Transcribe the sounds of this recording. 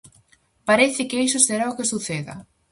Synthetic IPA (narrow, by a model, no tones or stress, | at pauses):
paɾeθɪkejsʊst̪eɾaʊkesuθeðɐ̰